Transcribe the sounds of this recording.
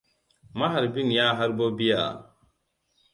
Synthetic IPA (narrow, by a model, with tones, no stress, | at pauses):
ma˦ɦa˨ɾbi˦n˨ja˦ɦa˦ɾbo˦bi˦ja̰˨